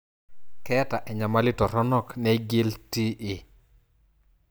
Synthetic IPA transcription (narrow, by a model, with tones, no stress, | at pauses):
kɛ˦ta˨ʔɛ˨ɲa˨ma˦lɪ˦tɔ˨ɾɔ˦nɔ˦˨knɛ˦ɡi˦lti˦ʔɪ˨